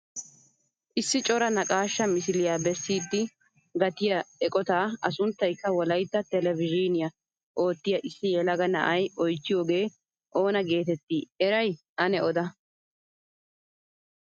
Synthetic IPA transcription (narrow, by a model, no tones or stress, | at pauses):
ʔɪsːɪt͡ʃʼɔɾɐnɐkʼaːʃːɐmɪsɪlɪjaːbɛsːiːd̪ːɪ | ɡɐt̪ɪjɐɛkʼɔt̪aːʔɐsʊnt̪ːɐjkːɐwɔlɐjt̪ːɐt̪ɛlɛvɪd͡ʒinɪjɐ | ʔo̞ːt̪ːɪjɐʔɪsːɪjɛlɐɡɐnɐ̰ʔɐjɔjt͡ʃːɪjo̞ːɡe̞ː | ʔo̞ːnɐɡe̞ːt̪ɛt̪ːiɛɾɐj | ʔɐnɛɔd̪ɐ